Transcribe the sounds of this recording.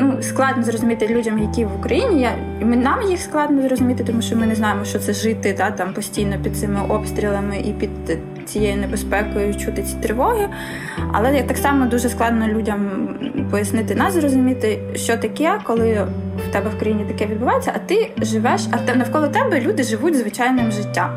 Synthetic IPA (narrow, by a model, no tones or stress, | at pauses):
nusklˠɑd̪nɔzrɔzʊmʲit̪ɪlʲudʲɐmjɐkʲiʋʊkɾɐjinʲija | imɪnɑmjixsklˠɑd̪nɔzrɔzʊmʲit̪ɪt̪ɔmuʃt͡ʃɔmɪnɛznɑjemɔʃt͡ʃɔt̪sɛʒɪt̪ɪd̪ɑt̪ɑmpɔsʲtʲijnɔpʲid̪̚sɪmɪʔɔpst̪ɾʲilˠɐmɪʔipʲid̪ | t͡sʲijejinɛbespɛkɔjʊt͡ʃut̪ɪt͡sʲi̥t̪ɾɪʋɔɦɪ | ɐ̰lˠɛjɐt̪ɑksɑmɔd̪uʒɛsklˠɑd̪nɔlʲudʲɐmpɔjɐsnɪt̪ɪnɑszrɔzʊmʲit̪ɪ | ʃt͡ʃɔt̪ɐkɛkɔlˠɪ | wt̪ɛbɛwʊkɾɐjinʲit̪ɐkɛʋʲid̪bʊʋɑjet͡sʲːɐʔɐt̪ɪʒɪʋɛʃɐt̪ɛnɐwkɔlˠɔt̪ɛbɛlʲud̪ɪʒɪʋutʲzʋɪt͡ʃɑjnɪmʒɪtʲːa̰